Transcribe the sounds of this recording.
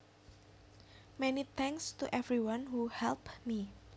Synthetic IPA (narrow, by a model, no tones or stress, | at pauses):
mɛnit̪ʰɛ̃ŋkst̪uʔɛvɾiwãnɦuhɛlpmi